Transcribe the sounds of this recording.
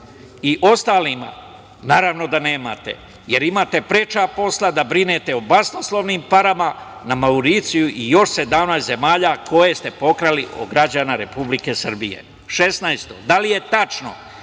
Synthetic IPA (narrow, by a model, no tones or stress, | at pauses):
iʔo̞st̪aːlima̰ | naːɾaʋno̞d̪ane̞ːma̰t̪e̞̰ | je̞ɾimaːt̪e̞pɾet͡ʃapo̞slˠad̪abɾine̞t̪e̞obasnoslˠoʋniːmpaɾamanamauɾit̪sijuʔijo̞ʃse̞d̪amnat̪ze̞maːʎako̞je̞st̪e̞po̞kɾaliʔo̰ɡɾad͡ʑanaɾe̞publike̞sr̩bije̞̰ | ʃe̞snajst̪o̞d̪alije̞t̪at͡ʃno̞̰